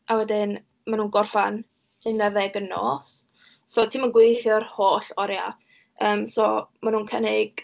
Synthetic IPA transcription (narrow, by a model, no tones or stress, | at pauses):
awɛdɪn | manuːnɡɔrfan | ɨnːɛðɛɡəno̰ːs | sɔtʰiːmənɡwɪjθjɔrhoːɬɔɾja̰ | əːmsɔmanuːnkʰənɪɡ̥